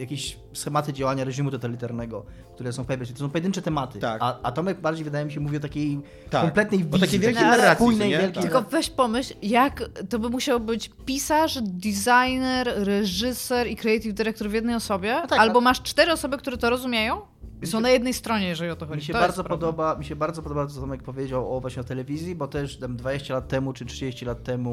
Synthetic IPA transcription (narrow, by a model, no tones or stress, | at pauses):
jakʲeɕ | sxɛmat̪ɘd͡ʑawaɲaɾɛʐimut̪ɔt̪alʲit̪aɾnɛɡɔ | kt̪uɾɛsɔ̃w̃pɛvʲnɛɨlit̪ɔs̬ɔ̃pɔjɛd̪ɘnt͡ʂɛt̪ɛmat̪ɘaaat̪ɔmɛbaɾd͡ʑejvɨd̪ajɛmʲiɕɛmuvʲiɔt̪akʲej̪ | akɔmplɛt̪nɛjviakejvʲjɛlk̪eɛaujnɛjvjɛlk̪ʲelkɔvɛɕpɔmɘɕljakt̪ɔbɘmuɕawɔbɘt͡ɕpʲisaʂd̪izajnɛɾɾɛʐɘsɛɾikɾɛɛjt̪ivd̪ɘɾɛk̚t̪ɔɾvʲjɛd̪nɛjɔsɔbʲjɛaalbɔmaʂt͡ʂt̪ɛɾɨɔsɔbɘk̚t̪uɾɛt̪ɔɾɔzumʲjejɔ̃w̃ | sɔ̃w̃najɛd̪nɛjst̪ɾɔɲɛjɛʐɛlʲiɔt̪ɔxɔd͡ʑmiɕɛbaɾzɔppɔd̪ɔbamʲiɕɛbaɾd̪zɔpɔd̪ɔbat̪ɔat̪amjak̚pɔvʲjed͡ʑawɔvwaɕɲɛɔt̪ɛlɛvʲizʲjibɔt̪ɛʂt̪amd̪vad͡ʑeɕt͡ɕɛlat̪ːɛmut͡ʂɨtʂɨd͡ʑeɕt͡ɕilat̪ːɛmu